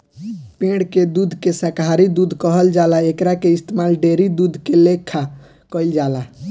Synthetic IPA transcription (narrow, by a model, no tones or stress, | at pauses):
pẽɽked̪ud̪ʱkesəkɦaɾid̪ud̪ʱkəɦəld͡ʒalaekɾakeist̪emalɖeɾid̪ud̪ʱkelekʰːa | kəjld͡ʒala